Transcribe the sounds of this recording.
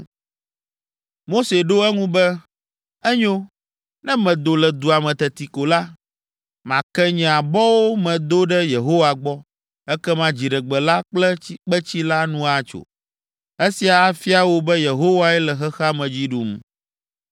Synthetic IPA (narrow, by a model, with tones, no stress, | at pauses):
mo˦se˨ɖo˦ɛ˦ŋũ˦bɛ˦ | ɛ˦ɲõ˦ | nɛ̃˦mɛ̃˨d̪o˨lɛ˨d̪u˨a˨mɛ̃˨t̪ɛ˨t̪i˨ko˨la˦ | mã˨kɛ˦ɲɛ̃˨a˨bɔ˦wo˦mɛ̃˨d̪o˦ɖɛ˦je˨ɦo˦wa˨ɡ͡bɔ˦ | ɛ˦kɛ˦mã˦d͡ʑi˨ɖɛ˨ɡ͡bɛ˨la˦k͡plɛ˦i˦k͡pɛ˦t͡ɕi˦la˦nũ˦a˨t͡ʃo̰˨ | e˦si˨a˨a˦fi˦a˨wo˦bɛ˦je˨ɦo˦wa˦ɛ˦lɛ˨xɛ˦xa˦mɛ̃˨d͡ʑi˦ɖu˨m˨